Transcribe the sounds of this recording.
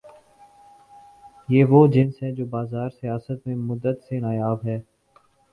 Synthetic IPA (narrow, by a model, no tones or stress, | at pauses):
jeːʋoːd͡ʒɪ̃nsɦɛd͡ʒoːbaːzaːɾsijaːsət̪mẽmʊd̪ːət̪senaːjaːbɦɛː